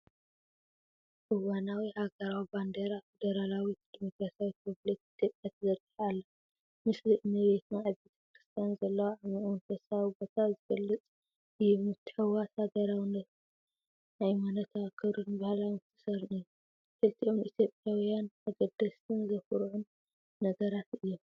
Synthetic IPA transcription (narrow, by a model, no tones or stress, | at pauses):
ʔɨwanawihaɡɐɾawiband̪eɾafed̪ɐɾalawid̪imo̞kɾasawikʰɨβlɐt̪it̪ʰjo̞pʼjat̪ʰɐzɐɾt̪ʼɨħalːɐ | mɨslɨʔnɨβe̞t̪naːβet̪ʰɐ̥kɾɨst̪ʰijanzɐlːɐwaamiʔunk̪ʰɐsawbot̪ʰazɨɡɐlːɨt͡sʼ | ɨjːumɨt̪ʰːɨ̥ħɨwashaɡɐɾawinɐ | najmanɐt̪ʰakʰːɨɾunbahalawmɨt̪ʰːɨ̥sɐɾnɨjːu | kʰɨlt̪ʰiʔonʔit̪ʰjo̞pʼjawjanmʰɐɡɐd̪ːɐst̪ʰɨnzɐfuɾʕunː | ɐɡɐɾat̪ɨjːom